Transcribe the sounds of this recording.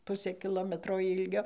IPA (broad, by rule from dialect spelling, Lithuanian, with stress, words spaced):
ˈpʊsʲeː kʲɪˈlˠoːmʲɛtroː ˈɪlʲɡʲoː